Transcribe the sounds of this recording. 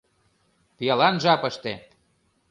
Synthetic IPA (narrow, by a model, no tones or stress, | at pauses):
pijɑlɑnʒɑpə̆ʃt̪e